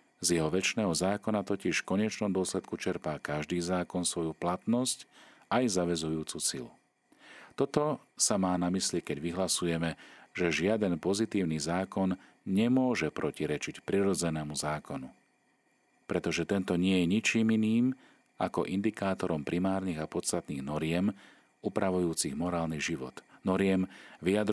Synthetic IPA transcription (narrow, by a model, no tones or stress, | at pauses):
zjɛɦɔʋɛt͡ʃnɛːɦɔzaːkɔnat̪ɔciʃfkɔɲɛt͡ʃnɔmd̪ʊɔslɛt̪̚kut͡ʃɛɾpaːkaʒd̪iːzaːkɔnsʋɔjuplat̪nɔsc | ajzaʋɛzujuːt͡susilṵ | t̪ɔt̪ɔ | samaːnamislikɛɟʋiɦlasujɛmɛʒ̥ɛʒɪad̪ɛnpɔzit̪iːʊnizaːkɔn | ɲɛmʊɔʒɛpɾɔciɾɛt͡ʃicpɾiɾɔd͡zɛnɛːmuzaːkɔnu | pɾɛt̪ɔʒɛt̪ɛnt̪ɔɲɪɛjɛɲit͡ʃiːminiːm | a̰kɔ̰ʔind̪ikaːt̪ɔɾɔmpɾʔimaːɾniɣapɔt̪st̪at̪niːɣnɔɾɪɛm | uːpɾaʋujuːt͡siɣmɔɾaːlniɣʒiʋɔ̰t̪nɔɾɪɛmʋijad̪ɾ